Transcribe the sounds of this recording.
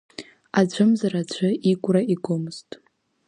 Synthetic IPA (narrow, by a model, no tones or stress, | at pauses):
ad͡ʒʷʰʼɨmzarad͡ʒʷʰɨikʷʼraiɡʷomɨz̥tʼ